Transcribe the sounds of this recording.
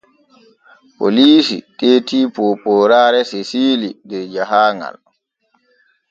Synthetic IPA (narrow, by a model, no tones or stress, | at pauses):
po̰liːsḭteːtiːpɔpɔːɾaːɾɛsesiːlidɛɾd͡ʒaɦaːŋa̰l